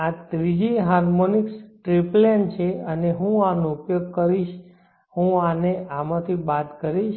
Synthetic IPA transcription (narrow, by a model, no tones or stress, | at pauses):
at̪ɾid͡ʒiɦaɾmoniksʈɾiplent͡ʃʰeəneɦũanoupjoɡ̚kəɾiʃ | hũaneʔamãt̪ʰibat̪kəɾiʃ